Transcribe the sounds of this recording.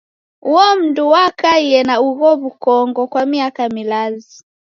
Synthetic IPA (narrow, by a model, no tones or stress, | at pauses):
uɔm̩nduwakaiɛnauɣɔβukɔŋɡɔkwamiakamilazi